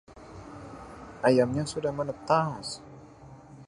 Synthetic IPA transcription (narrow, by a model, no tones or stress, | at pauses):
ʔajamɲasudahmənət̪as